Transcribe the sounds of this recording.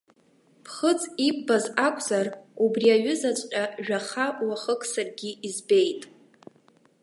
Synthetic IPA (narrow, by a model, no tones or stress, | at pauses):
pʰχət͡sʼipʼbazakʷʰʼzarubriaɥʏzat͡ʃʷʼqʲʼaʒᶣaχawaχəkʼsarɡʲiizbe̞jtʼ